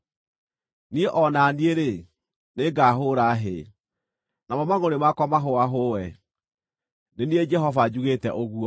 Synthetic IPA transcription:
nieʔɔnanieɾe | neɡaɦoɾaɦe | namɔmaɣoɾemakɔmaɦoaɦowɛ | nenied͡ʒɛɦɔvad͡ʑuɣetɛ̰ʔoɣuɔ

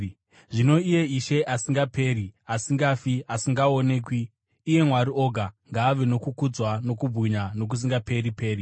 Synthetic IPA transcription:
ʐino̞ije̞iʃe̞ʔasiŋɡape̞ːɾiasiŋɡafiasiŋɡaone̞ːkwiː | je̞mwaɾio̞ɡʱaŋɡaːʋeno̞kukud͡zwano̞kubʱuɲano̞k̬us̬iŋɡape̞ɾipe̞ːri

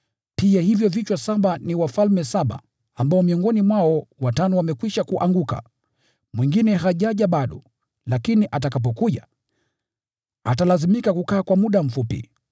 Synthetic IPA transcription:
piahivjɔvit͡ʃwasaɓaniwafalmɛsaɓa̰ː | mbaɔmiɔŋɡɔnimwaɔwatanɔwamɛkwiʃakuʔaŋɡuka̰ | mwiŋɡinɛɦaʄaʄaɓaɗɔ | lakiniʔat̬akap̬ɔkuʄa | a̰talazimikakukaːkwamuɗam̩fupḭ

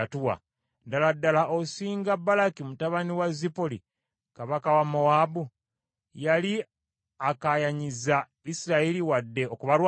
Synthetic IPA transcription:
atuwa̰ | daladːalaʔosiːŋɡabːalakimutaβaniwazipoli | kaβakawamowabu | jali | akajaɲiza | isiɾaeliwadːe̞okuβaɾw

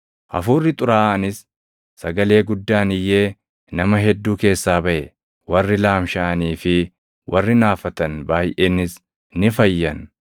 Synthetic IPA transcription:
ʔɐ̰fuːrːɪt̪ʼʊɾaːɐnɪsː | ɐɡɐle̞ːɡʊd̪ːaːnɪjːe̞ː | nɐmɐɦɛd̪ːuːke̞ːsːaːbɐʔɛ | wɐrːɪlaːmʃaːɐniːfɪ | wɐrːɪnaːfɐt̪ɐnbaːjʔeːnːɪs | nɪfɐjːɐn

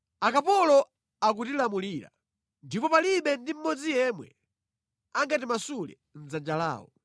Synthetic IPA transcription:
akapɔlɔ | ak̬utilamuliɾa̰ | ndipɔpaliɓɛndim̩mɔd͡zijɛmwɛ̰ | aŋɡatimasulɛ̰ | n̩zand͡ʒala̰ːwɔ̰

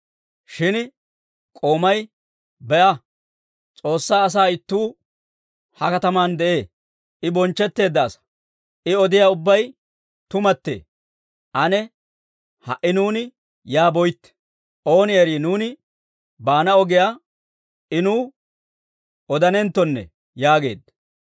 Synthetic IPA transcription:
ʃɪn | kʼo̞ːmɐj | bɛʔɐ | t͡sʼo̞ːsːaːs̬aːɪt̪ːuː | hɐkɐt̪ɐmaːnd̪ɛʔe̞ː | ʔɪbɔnt͡ʃːɛt̪ːe̞ːd̪ːɐːsɐ̥ | ʔɪɔd̪ɪjaːʊbːɐj | t̪ʊmɐt̪ːḛː | ʔɐnɛ | hɐ̰ʔɪnuːnɪ | jaːbɔjt̪ːɛ̥ | ʔo̞ːnɪɛɾiːnuːnɪ | baːnɐɔɡɪjaː | ɪnuː | ɔd̪ɐnɛnt̪ːɔnːɛ̰ | jaːɡe̞̰ːd̪ɐ

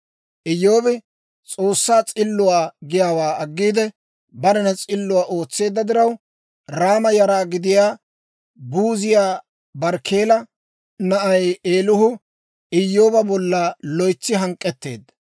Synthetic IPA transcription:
ʔɪjːoːbɪ | t͡sʼo̞ːsːaːt͡sʼɪlːʊwaːɡɪjaːwaːɐɡːiːd̪ɛ | bɐɾɛnɐt͡sʼɪlːʊwaːʔo̞ːt͡sːe̞ːd̪ːɐd̪ɪɾɐw | ɾaːmɐjɐɾaːɡɪd̪ɪjaː | buːzɪjaː | bɐɾkʰeːlɐ | nɐʔɐjeːlʊhʊ | ɪjːo̞ːbɐbɔlːaːlɔjt͡sːɪɦɐŋkʼːɛt̪ːe̞̰ːd̪ːɐ

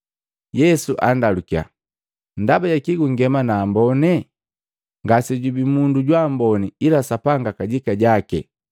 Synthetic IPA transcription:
jɛsuʔa̰ndalukia̰ | n̩dabaɟakiɡuŋɡɛmanaːmbɔnɛ | ŋɡasiɟubimunduɟwambɔnɛilasapaŋɡakaɟikaɟakɛ̰

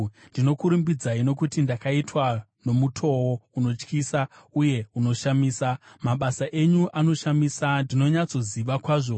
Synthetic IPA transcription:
ndino̞kuɾumbid͡zaino̞k̬utindakaitwa | no̞mutʰo̞wouno̞t͡ʃkiːsauje̞uno̞ʃamiːsamaɓasaʔe̞ɲuʔano̞ʃamisandino̞ɲat͡so̞ziʋakwaːʐo̞

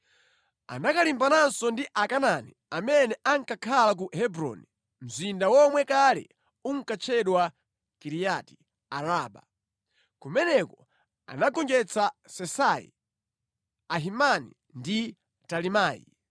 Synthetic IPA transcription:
a̰nakalimbanansɔndiʔakanani | amɛnɛʔaŋkakʰalak̬uɦɛbɾɔ̰ni | m̩zindawɔmwɛkalɛ̰ | uŋ̩kat͡ʃʰɛɗwa | kiɾijati̥ | aɾaːɓa̰ | kumɛnɛkɔ | a̰naɡɔŋd͡ʒɛt͡sasɛsaḭ | aɦimanḭ | ndi | talimaːjḭ

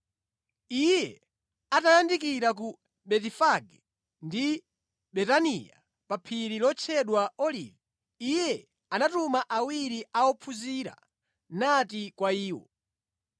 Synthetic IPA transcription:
ijɛ | atajandikiɾaku | ɓɛtifaɡɛ | ndi | ɓɛtanija̰ | papʰiɾilɔt͡ʃʰɛɗwaɔlḭːvi | ijɛ | anatumaʔawiɾiaɔpʰuziɾa̰ | natikwaiːwɔ̰

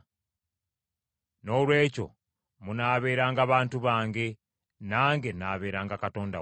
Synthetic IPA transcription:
no̞ːlwe̞ːco̞̰ | munaːβe̞ːɾaːŋɡaβaːntuβaːŋɡe̞ | naːŋɡe̞naːβe̞ːɾaːŋɡakato̞ːnda̰

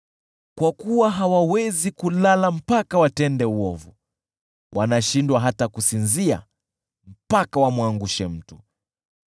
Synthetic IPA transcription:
kwakuwaɦawawɛzikulalam̩pakawatɛndɛuwɔvu | wʔanaʃindwaɦatakusinzia̰ | m̩pakawamwaŋɡuʃɛm̩tu̥

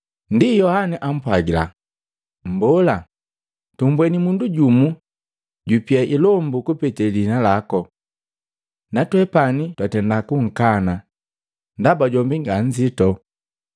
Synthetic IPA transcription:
ndijɔhanɛʔam̩pwaɡila̰ | m̩bɔla | tumbwɛnimunduɟumu | ɟupiaʔilɔmbukupɛtɛlinalakɔ | natwɛpanitwatɛndakuŋ̩kana | ndabaɟɔmbiŋɡaɲd͡ʒitɔ

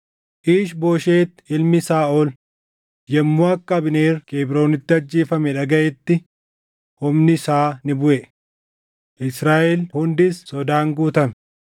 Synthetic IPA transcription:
ʔiːʃbo̞ːʃeːt̪ːɪlmɪsaːʔɔl | jɛmːuɐkːɐɐbɪneːrkeːbɾo̞ːnɪt̪ːɪɐd͡ʒːeːfɐmɛᶑɐɡɐʔɛt̪ːɪ | hʊmnɪsaːnɪbʊʔɛ | ʔɪsɾaːʔɛlhʊnd̪ɪssːɔd̪aːŋɡuːt̪ɐmɛ

